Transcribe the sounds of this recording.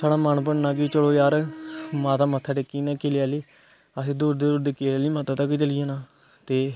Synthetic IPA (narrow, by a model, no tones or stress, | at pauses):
saːɽaːmənpəɽnãːkit͡ʃəɽoːjaːɾmaːt̪aːmət̪ʰːaːʈekiːnaːkeːlɪjaːliː | əsĩːd̪uːɾd̪eːɾʊd̪eːkeːlaːliːmaːt̪aːt̪əkit͡ʃəlijãːnaː | t̪eː